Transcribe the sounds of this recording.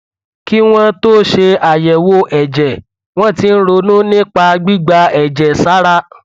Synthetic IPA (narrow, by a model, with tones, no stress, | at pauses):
ki˦w̃ɔ̃˦to˦ʃe˧a˨jɛ˨wo˧ʔɛ˨d͡ʒɛ˨ | w̃ɔ̃˦˨ti˧n̩˦ɾo˧nũ˦nĩ˦k͡pa˧ɡ͡bi˦ɡ͡ba˧ɛ˨d͡ʒɛ˨sa˨˦ɾa˦